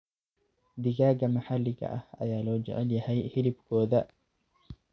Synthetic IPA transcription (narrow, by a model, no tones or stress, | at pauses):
d̪ɪɣaːɣɐmɐħalːɪɣɐ̰ʔɐhɐ̰jaːlɔːd͡ʒɛ̰ʕɛljɐhɛjhɪlɪbkʰɔːðɐ